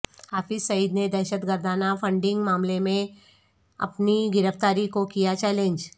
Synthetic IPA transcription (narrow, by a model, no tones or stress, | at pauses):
aːfisɐid̪ned̪ɛːʃət̪ɡəɾd̪ʱaːnafə̃ɳɖɪ̃ŋɡmaːmlemẽ | ɐ̰pniɡɪɾəft̪aːɾikokijat͡ʃɛːlẽnd͡ʒ